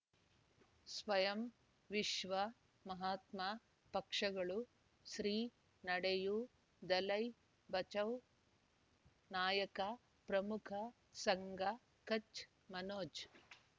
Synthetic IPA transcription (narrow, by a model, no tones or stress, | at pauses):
sʋɐjɐm | ʋiʂʋɐ | mɐɦaːt̪ma | pɐkʂɐɡɐɭu | ʃɾiː | nɐɽeju | d̪ɐlɐj | bɐt͡ʃɐw | naːjɐkɐ | pɾɐmukʰɐ | sɐŋɡɐ | kɐt͡ʃ | mɐnoːd͡ʒ